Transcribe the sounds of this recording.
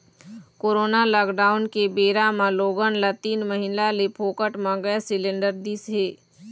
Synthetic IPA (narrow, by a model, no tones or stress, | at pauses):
koːɾoːnalaːkɖaːʊnkebeːɾamãloːɡənlat̪iːnməɦɪlalepʰoːkəʈmãɡəɛsɪlẽɳɖəɾd̪iːsɦeː